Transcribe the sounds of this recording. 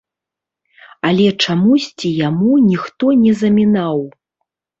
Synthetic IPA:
ɐlʲɛt͡ʂamusʲt͡sʲijamunʲixt̪ɔnʲɛzɐmʲinaw

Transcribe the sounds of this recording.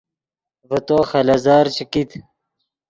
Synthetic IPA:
vət̪oːxɐlɐzaːɾt͡ɕikit̪

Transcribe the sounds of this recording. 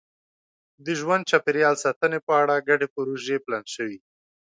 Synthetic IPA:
d̪əʒwand̪̚t͡ʃapeɾjɑlsɑt̪ənepəaɽaɡaɖepəɾoʒeplanʃəwi

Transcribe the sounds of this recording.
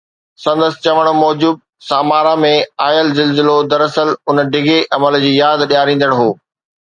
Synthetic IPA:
sɐ̃nd̪əsɪ̥̆t͡ɕɐʋəɽ̃mɔːd͡ʑuːb̚ | saːmaːɾamẽaːjəlzɪlzɪlod̪ɐɾɐsəlʊnɖɪɡeʔɐməld͡ʑiːjaːd̪ɗjaːɾĩːn̆d̪əɽ̃ɦoː

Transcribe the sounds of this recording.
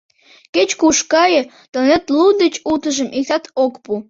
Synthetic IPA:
ket͡ɕkuʃkɑjə | t̪onet̪lud̪ət͡ɕut̪əʒəmʔik̚t̪ɑt̪okpu

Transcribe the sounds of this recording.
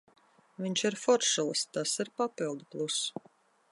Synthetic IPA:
viɲt͡ʃiɾfɔɾʃulˠst̪asiɾpapilˠd̪uplˠus

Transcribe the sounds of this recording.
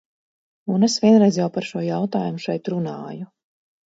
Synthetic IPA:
unesvʲiɛnɾɛjzjawpaɾʃuɔjawt̪aːjumuʃɛjt̪ɾunaːju

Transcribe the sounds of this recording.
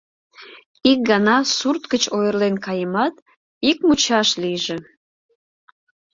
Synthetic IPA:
ik̚ɡɑnɑsurt̪kət͡ɕojərlenkɑjəmɑt̪ | ik̚mut͡ɕɑʃlijʒe

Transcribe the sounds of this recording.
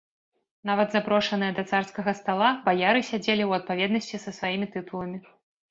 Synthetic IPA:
navɐd̪zapɾɔʂɐnɨjɐd̪ɐt̪sarskɐɣɐst̪alˠabajaɾɨsʲad͡zʲelʲiwɐt̪̚pavʲɛd̪nɐsʲt͡sʲisɐsvajimʲit̪ɨt̪ulˠɐmʲi

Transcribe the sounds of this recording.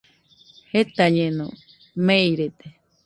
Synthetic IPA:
het̪aɲẽnõ̰ | mẽjɾet̪e

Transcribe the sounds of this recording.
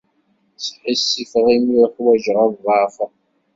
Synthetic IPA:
sħisːifʁimiɾħwæʒʁævʁɑf

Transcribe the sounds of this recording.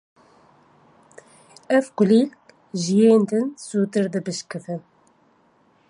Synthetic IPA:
ɛvkʊliːk | ʒijeːnd̪ɨnsuːt̪ɨɾd̪ɨbɨʃkɨfɨn

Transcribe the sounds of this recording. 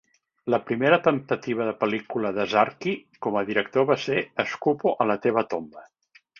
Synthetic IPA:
ləpɾimeɾət̪ənt̪ət̪iβəðəpəlikuləðəzaɾkikɔməðiɾək̚t̪oβaseəskupoʔələt̪eβ̞ət̪ombə

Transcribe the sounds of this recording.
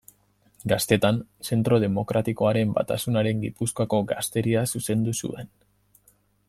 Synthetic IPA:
ɡast̪e̞t̪anse̞nt̪ɾo̞ð̞e̞mo̞kɾat̪iko̞aɾe̞mba̰t̪asunaɾe̞ŋɡipuskoako̞ɡast̪e̞ɾiasuse̞nd̪usṵe̞n

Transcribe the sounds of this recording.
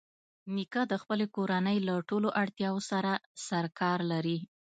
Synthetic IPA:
nikad̪əxpəlekoɾanəjlaʈoloʔaɽt̪jɑwosaɾasaɾkɑɾlaɾi

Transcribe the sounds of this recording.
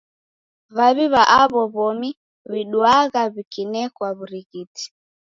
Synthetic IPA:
βaβiβaʔaβɔβɔmi | βiɗwaɣaβikinɛkwaβuɾiɣiti̥

